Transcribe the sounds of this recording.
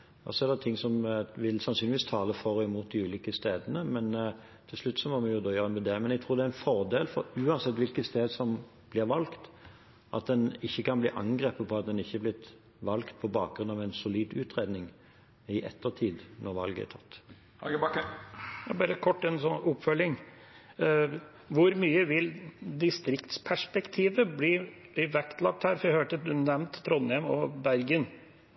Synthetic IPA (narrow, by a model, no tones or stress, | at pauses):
ɔ̰sɔæʁd̪ɛt̪ʰɪŋːsɔmʋɪlsɑnsyːnɪʋiːst̪ʰɑːləfɔʁɔɪmuːt̪̚d̪ɪʉːliːkəst̪eːd̪ənəmɛn | t̪ʰɪlslʉt̪ːsɔmɔmɛnjʊd̪oːjøːʁəmɛd̪ɛːəmɛnɛɡ̚t̪ʰʁuːɾd̪ɛæɾɛnfɔʁd̪eːlfɔʉːɑnsɛt̪ːʋɪlkəst̪eːd̪sɔm | b̥lɪʁʋɑlkt̪ | ʔɑ̰t̪̚d̪ɛnɪçːəkʰɑnbliːʔɑŋɡɾeːpəpʰɔɑt̪̚d̪ɛnɪçːəblɪt̪ | ʋɑlkt̪̚pʰɔbɑːk̚ɡɾʉnɑʋæɪnsʊliːd̪ʉːt̪ʁeːd̪nɪŋ | ɪʔɛ̰t̪ʰːət̪ʰiːd̪nɔʁʋɑ̰lɡəɛ̰t̪ʰɑt̪ː | jɑbɑːɾəkʰɔʈːɛnsɔnʊpfœlɪŋ | ʋʊɾmyːəʋɪld̪ɪst̪ɾɪkt̪spʰæʂpɛkt̪ʰiːʋəbliblɪʋækt̪ʰlɑk̚t̪hæːɾfɔɾæhøːʈəd̪ʉnɛmnt̪t̪ʰːɾɔnːhɛmɔbæɾɡən